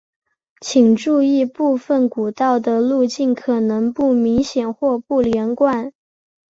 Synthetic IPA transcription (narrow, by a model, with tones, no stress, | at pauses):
t͡ɕʰi˨˩ŋʈ͡ʂu˥˧i˥˧pu˥˧fə˨˩nku˨˩t̪ɑ˥˩ʊd̪ə˩lu˥˧t͡ɕi˥˩nkʰɤ˨˩nɤ˧˥ŋpu˥˩mi˧˥ŋɕjɛ˨˩nxwɔ˥˧pu˥˩ljɛ˧˥nkwa˥˩n